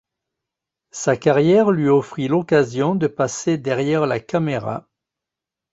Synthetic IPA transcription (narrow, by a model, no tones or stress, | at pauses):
sakaʁjɛʁlɥiɔfχilɔkazjɔ̃d̪əpased̪ɛʁjɛʁlakameʁa̰